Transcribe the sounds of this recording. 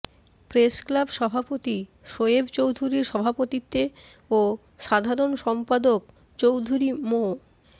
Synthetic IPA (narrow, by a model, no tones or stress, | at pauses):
pɾesklabʃɔbʱapot̪i | ʃoebt͡ɕowd̪ʱuɾiɾʃɔbʱapot̪it̪ːe | o | ʃad̪ʱaɾonʃɔmpad̪ok̚ | t͡ɕowd̪ʱuɾimo